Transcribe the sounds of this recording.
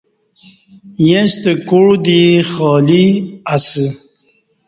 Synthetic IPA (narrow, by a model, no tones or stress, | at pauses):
jẽst̪əkuɻd̪ixɔːliasə